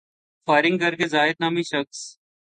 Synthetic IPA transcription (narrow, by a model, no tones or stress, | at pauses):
faːɪɾɪŋɡkəɾkeːzaːɪd̪̚naːmiːʃəks